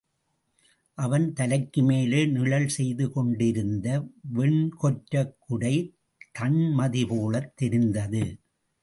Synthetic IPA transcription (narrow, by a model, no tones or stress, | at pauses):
ʔɐʋɐnt̪ɐlɐkːɯmeːleːnɪɭɐlsɛjðɯkɔɳɖɪɾɯnd̪ɐʋɛɳkɔʈɾɐkːʊɽɐɪ | t̪ʰɐɳmɐðɪpoːlɐt̪ːɛɾɪnd̪ɐðɯ